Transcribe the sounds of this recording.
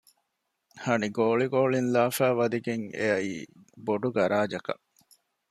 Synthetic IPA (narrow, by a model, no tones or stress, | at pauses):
hɐniɡoːɭiɡoːɭinlaːfæːʋɐd̪iɡeŋḛɐiː | boɖuɡɐɾaːd͡ʒɐkɐ̰